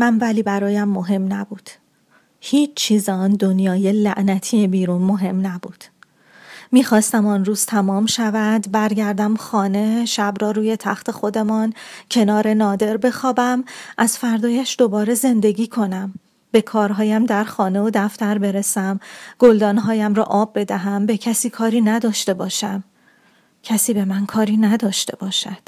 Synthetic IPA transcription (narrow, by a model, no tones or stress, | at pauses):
mænvæliːbæɾɒːjæmːo̞ɦe̞mnæbuːd̪̥ | hiːt͡ʃt͡ʃʰːiːzɒnd̪onjɒːjelæʔnæt̪ʰijebiːɾuːnmo̞ɦe̞mnæbuːd̪̥ | miːxɒːst̪æmɒnruːz̥t̪ʰæmɒːmʃævæd̪bæɾɟæɾd̪æmxɒːne̞ʃæbɾɒːɾuːje̞t̪ʰæxt̪ʰe̞xo̞d̪e̞mɒncʰe̞nɒːɾe̞nɒːd̪e̞ɾbe̞xɒːbæmʔæzfæɾd̪ɒːjæʃd̪o̞bɒːɾe̞ze̞nd̪e̞ɟiːkʰo̞næm | b̥e̞kʰɒːɾɦɒːjæmd̪æɾxɒːne̞od̪æft̪æɾbe̞ɾesæmɡ̥old̪ɒːnɦɒːjæmɾɒ̰ːʔɒːbːe̞d̪æɦæmbe̞cʰæsiːkʰɒːɾiːnæd̪ɒːʃt̪e̞bɒːʃæm | cʰæsiːbe̞mænkʰɒːɾiːnæd̪ɒːʃt̪e̞bɒːʃæd̪̥